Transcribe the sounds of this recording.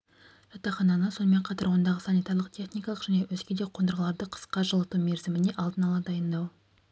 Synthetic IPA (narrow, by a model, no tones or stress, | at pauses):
ʒ̥ɑt̪ɑχɑnɑnəso̞nəme̞ɴqʰɑt̪ɑɾwo̞nd̪ɑʁəsɑnijt̪aɾlˠəq̚t̪ʲʰe̞χnijkɑlˠəqʒæne̞wɵzɡʲe̞d̪eqʰond̪əɾʁəlˠɑɾd̪əqʰə̥sqɑʒəlˠət̪umeɾzɪmɪne̞ʔɑlˠd̪ənɑlˠɑd̪ɑjənd̪ɑw